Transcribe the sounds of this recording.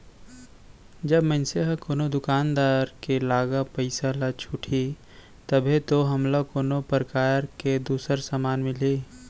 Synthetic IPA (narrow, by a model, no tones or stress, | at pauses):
d͡ʒəbmənseɦkoːnod̪ʊkaːnd̪aːɾkelaːɡapəɪsalat͡ʃʰuʈʰi | t̪əbʱet̪oɦɐmlakoːnopɾəkaːɾked̪uːsəɾsamaːnmɪle